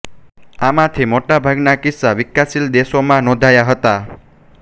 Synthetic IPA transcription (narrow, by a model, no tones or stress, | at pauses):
amãt̪ʰimoʈabʱaɡnakɪsːaʋɪkːasild̪eʃomãnɔ̃d̪ʱajaɦət̪a